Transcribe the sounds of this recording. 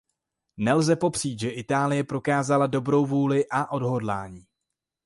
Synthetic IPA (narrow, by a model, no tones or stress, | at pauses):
nɛlzɛpo̞pr̝̥iːt̪ʒɛʔɪt̪aːlɪjɛpɾo̞kaːzalado̞bɾo̞wvuːlɪʔaʔo̞dɦo̞dla̰ːɲiː